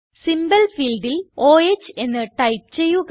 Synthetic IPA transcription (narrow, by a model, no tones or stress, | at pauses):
simbɐlfiːlɖiloːet͡ɕːɨe̞nːɨʈɐjp̚t͡ɕe̞jːuk